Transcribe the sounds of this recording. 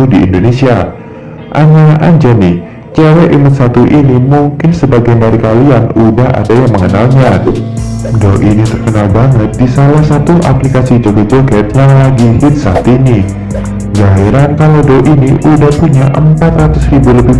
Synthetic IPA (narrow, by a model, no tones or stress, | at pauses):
udiḭndonesia | ʔaɲaʔaɲd͡ʒani | t͡ʃɛwɛʔimət̪sat̪uʔinimuŋkɪnsəbaɡajnaɾikalianudaɦʔa̰dajaŋməŋənalɲa | dɔʔinit̪ərkənalbaŋət̪̚disalahsat̪uʔa̰plikasid͡ʒoɡad͡ʒoɡat̪̚ɲalaɡihɪt̪̚sat̪ini | d͡ʒaiɾankalowdɔʔiniʔudahpuɲaʔəmpat̪rat̪ʊsribuləbɪ